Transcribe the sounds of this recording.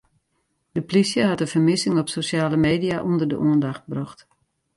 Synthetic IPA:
d̥əplisjəɦatəfəmɪsɪŋɔpsosjaːləmeːdijaʔundərdə̰ʔuəndaxt̚brɔxt

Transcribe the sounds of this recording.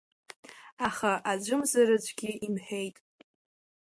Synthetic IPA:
aχaʔad͡ʒʷʊmzaɾad͡ʒʷʰʼɡʲɪimħᶣe̞jtʼ

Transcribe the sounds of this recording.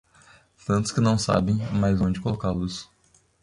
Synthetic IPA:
t̪ɐ̃nt̪ʊ̥skɪnɐ̃w̃sa̰bẽj̃majzõd͡ʒɪkolokalusʊ̥

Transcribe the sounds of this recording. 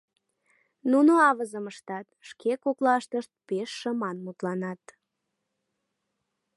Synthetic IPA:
nunoɑβəzəməʃt̪ɑt̪̚ʃkekoklɑʃt̪əʃt̪̚peʃːəmɑnmut̪lɑnɑt̪

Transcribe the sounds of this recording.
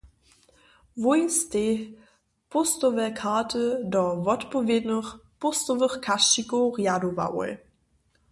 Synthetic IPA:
vojste | pʊstɔvɛkʰaːtʰədɔvɔtpɔveːdnəχpʊstɔvəχkʰaʃikoʁjadova̰wə̰l

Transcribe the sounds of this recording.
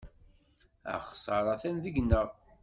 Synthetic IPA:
æ̰χsˤɑɾˤɑθænðəɡnːəʁˤ

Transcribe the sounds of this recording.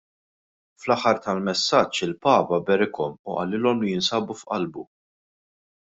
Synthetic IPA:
flɐħːɐɾt̪ɐlmɛsːɐt͡ʃːɪlpɐːpɐbɛɾɪkɔmʊʔɐ̰lɪːlɔmʊjɪnsɐːbufʔɐ̰lbu

